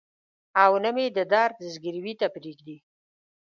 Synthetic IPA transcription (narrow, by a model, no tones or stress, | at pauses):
awnəmed̪əd̪ɑɾd̪əzɡiɾwit̪apɾikd̪i